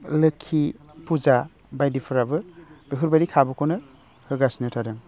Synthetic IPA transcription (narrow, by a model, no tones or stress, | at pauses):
lɯkʰːi | puza | bajdipʰɯɾabɯb̥eɦuɾbaɾikʰabɔkʰonɯ | hɯɡasnɯtʰadɯŋ